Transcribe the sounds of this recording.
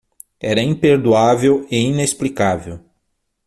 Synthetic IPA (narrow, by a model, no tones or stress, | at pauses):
ɛɾɐĩpeɾd̪uaveweinesplikavew